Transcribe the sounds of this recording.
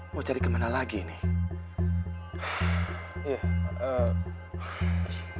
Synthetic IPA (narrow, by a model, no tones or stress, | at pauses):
mat͡ʃaɾikəmanalaɡinɪh | jaə